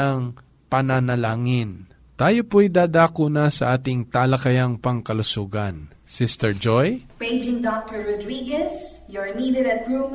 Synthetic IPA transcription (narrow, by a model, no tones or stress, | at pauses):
ɐŋ | pɐnanɐlaːŋɪn | t̪aːjopoɐjd̪aːd̪aːkunɐsɐʔaːt̪ɪŋt̪aːlɐkɐjaŋpɐŋkɐlʊsuːɡɐn | sɪst̪ɛɹd͡ʒojpeɪd͡ʒɪ̃ŋdɔk̚t̪əɹɹɔdɾiːɡɛsjɔɹnid̪ɛd̪ɐt̪̚pɹu